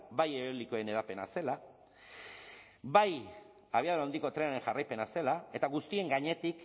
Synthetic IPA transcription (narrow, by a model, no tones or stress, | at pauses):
bajeβelikoene̞ð̞ape̞na̰se̞la | baj | aβ̞iaðuawnd̪iko̞t̪ɾe̞aɾe̞ŋʝarajpe̞nase̞lae̞t̪aɣust̪ie̞ŋɡaɲe̞t̪ik